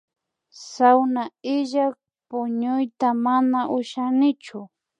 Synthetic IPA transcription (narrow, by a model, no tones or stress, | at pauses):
sawnaɪʒak̚ | pʊɲʊjt̪amanaʔʊʃanɪt͡ʃʊ